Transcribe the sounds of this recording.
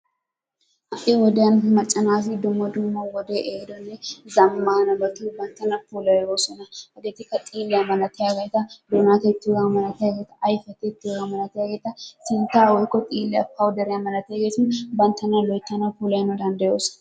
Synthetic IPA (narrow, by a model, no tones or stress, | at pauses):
ʔɐʔɪwɔd̪ejɐnmɐt͡ʃʼːɐnaːs̬ɪd̪ʊmːɐd̪ʊmːɐwɔd̪eʔeːd̪ɔnːɛzɐmːaːnɐbɐt̪uːbɐnt̪ːɐnɐpuːlɐwɛoːsɔnɐɐɡeːt̪ɪkɐt̪ʼiːlːɪjamɐnɐt̪ɛjaɡɐjt̪ɐd̪ʊnat̪ɛɪt̪ːɪjɔɡɐmɐlɐt̪ɛjaɡet̪ːɐʔːjfɐt̪ɛɪt̪ːɪɔɡɐmɐlɐt̪ɛjaɡeːt̪ɐsɪnt̪aːwɔjkːɔt̪ʼiːlːɪɐ̰pɐwd̪ɐɾɛjamɐlːɐt̪ɐjaɡet̪ʊnbɐnt̪ʰːɐnɐlɔjt̪ːɐnɐpuːlɐjnɔd̪ɐnd̪ɐjoːsɔ̥n